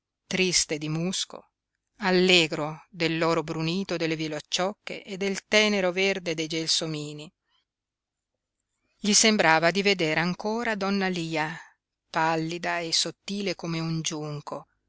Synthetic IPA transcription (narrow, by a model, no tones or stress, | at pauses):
t̪ɾist̪ed̪imusko̰ | alːeːɡɾod̪elːoːɾobɾuniːt̪od̪elːeviloat͡ʃːɔkːḛʔed̪ːelt̪ɛːneɾoverd̪ed̪ejd͡ʒelsomiːni | ʎisembɾaːvad̪ived̪eːɾaŋkoːɾad̪ɔnːaliːa | palːid̪aesot̪ːiːlekomeund͡ʒuŋko